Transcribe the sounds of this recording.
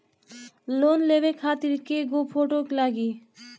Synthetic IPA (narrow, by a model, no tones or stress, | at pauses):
lonleʋekʰaːt̪iɾkeɡopʰoʈoklaːɡiː